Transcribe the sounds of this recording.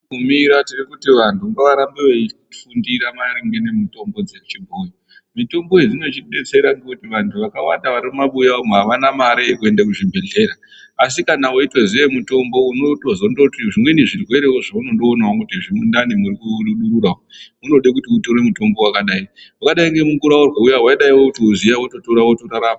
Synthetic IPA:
umiɾatirikutiʋantuŋɡeʋaɾambeʋe | fundiɾamaɾiŋɡene̞mito̞mbo̞d͡zet͡ʃibʱojo | mito̞mbo̞ed͡zino̞t͡ʃiɓe̞t͡se̞ɾaŋɡeutiʋantʰuʋakawa̰ndaʋaɾimumaɓujaomuɦaʋanamaɾekue̞ndak̬uʐibʱe̞ɮe̞ɾaː | s̬ikanaoito̞ziemuto̞mbo̞unotozondotiʐimweniʐirwe̞ɾe̞woʐauno̞ndo̞ːnawokutiʐimundanimuɾikuɗuɗuɾurawo | uno̞ɗek̬utiutoɾe̞muto̞mbo̞wakaɗaiwakaɗaiŋɡe̞muŋɡuɾaurwaujaɦwaiɗaiwokutiuzijawoto̞toɾawotoɾaɾaːma

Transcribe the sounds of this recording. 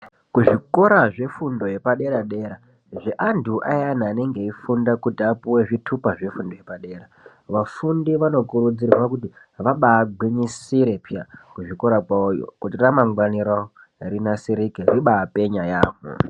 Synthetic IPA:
kuʐiko̞ɾaʐe̞fundo̞je̞paɗe̞ɾaɗe̞ɾa | ʐeʔanduʔajanaːne̞ŋɡe̞ifundakutiapuwe̞ʐitʰupaʐe̞fundo̞jepaɗe̞ːɾa | ʋafundiʋano̞kuɾud͡zirrwakuti | ʋaɓaːɡʱwiɲisiɾepjakuʐiko̞ɾakaojo̰kutiramaŋɡwaniɾa | rinasiɾikeriɓaːpe̞ɲajaːmṵ

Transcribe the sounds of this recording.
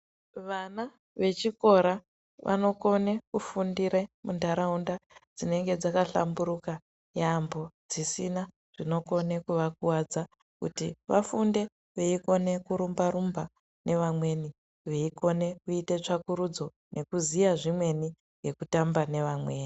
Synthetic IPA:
ʋana | ʋe̞t͡ʃiko̞ɾa | ʋʔa̰no̞ko̞ne̞kufundiɾemundaɾaundad͡zine̞ŋɡe̞d͡zakaɬa̰mbuɾuka | jambo̞d͡zisina | ʐ̥ino̞ko̞ne̞kuʋak̚uwad͡za | kṵtiʋafunde̞ | ʋeiko̞ne̞kuɾumbaɾumba | ne̞ʋamwe̞ni | ʋeiko̞ne̞kuite̞t͡ʂakuɾud͡zo̞ | nʔe̞kuzijaʐimwe̞ni | ŋɡe̞kutambane̞ʋamwe̞ːni

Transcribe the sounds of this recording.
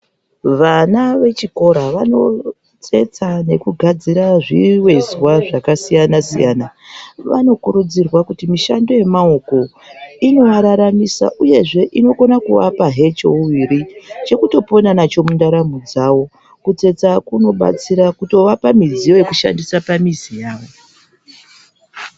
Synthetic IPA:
ʋanaʋe̞t͡ʃiko̞ɾaʋano̞ | t͡se̞t͡sane̞kuɡʱad͡ziɾaʐiwe̞zwaʐakasijanasḭjaːnaʋa̰no̞kuɾud͡zirwakutimiʃando̞je̞mao̞ko̞ | ino̞ʋaɾaɾamisa̰ʔuje̞ʐe̞ʔino̞ko̞nakuʋa̰paɦe̞t͡ʃouʋiɾit͡ʃe̞kuto̞po̞nanat͡ʃo̞mundaɾamud͡zawo̞ | kut͡se̞t͡sakuno̞ɓa̰t͡siɾakuto̞ʋapamizijo̞je̞kuʃa̰ndisapamizijaːʋo̞

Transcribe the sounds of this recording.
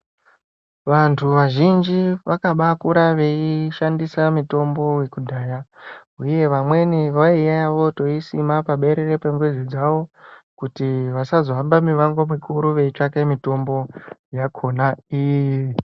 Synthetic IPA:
ʋantʰuʋaʒind͡ʒiʋakaɓakuɾaʋe̞iʃandisamito̞mbo̞we̞kudʱaːjauje̞ʋamwe̞niʋaijajaʋo̞to̞isimapaɓe̞ɾe̞re̞peŋɡwed͡zid͡zaʋo̞kutiʋasazoambamiʋaŋɡomikʰuɾuʋe̞it͡ʂakemito̞mbo̞jakʰo̞naijji

